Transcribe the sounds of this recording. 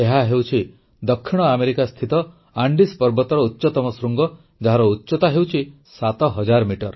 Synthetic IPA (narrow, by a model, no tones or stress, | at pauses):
eɦaɦewt͡ʃʰi | d̪ɔkʰːiɽ̃ɔameɾikast̪ʰit̪ɔ | aɳɖispɔɾbɔt̪ɔɾɔutːt͡ʃɔt̪ɔmɔsɾuŋɡɔ | d͡ʒaɦaɾɔutːt͡ʃɔt̪aɦewt͡ʃʰi | sat̪ɔɦɔd͡ʒaɾmiʈɔɾ